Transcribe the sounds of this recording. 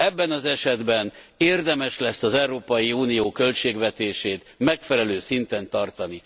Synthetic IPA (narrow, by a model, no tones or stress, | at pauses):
ɛbːɛnɒzɛʃɛd̪bɛn | eːrd̪ɛmɛʃlɛsːɒzɛuɾoːpɒjiuːnijoːkø̞lt͡ʃeːɡʋɛt̪eːʃeːt̪mɛkfɛlɛløːsint̪ɛnt̪ɒrt̪ɒni